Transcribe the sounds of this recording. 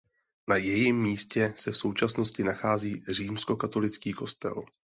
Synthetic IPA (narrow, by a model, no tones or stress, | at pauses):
najɛjɪmːiːscɛsɛfso̞wt͡ʃasno̞scɪnaxaːziːr̝iːmskokat̪o̞lɪt͡skiːko̞st̪ɛ̰l